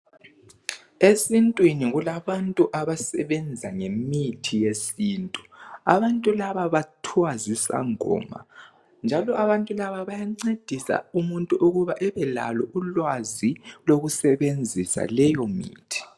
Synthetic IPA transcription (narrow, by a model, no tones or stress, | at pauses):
esintʼwiniɣulaβantʼuʔaβasɛβɛnd͡zʱaŋemitʰijesiːntʼuaβantʼulaβaβatʰwazisa̰ŋɔ̰ːma̰ | nd͡ʒʱalɔaβantʼulaβaβajaŋ͡ǀed̥ʱisa̰umuntʼuʔuɣuβaʔɛβɛla̰lɔʔulwaziloɣusɛβend͡zʱisa̰lɛjɔmḭːtʰi̥